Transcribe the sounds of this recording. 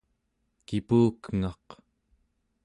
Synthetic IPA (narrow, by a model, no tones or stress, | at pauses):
kipuːkŋɑq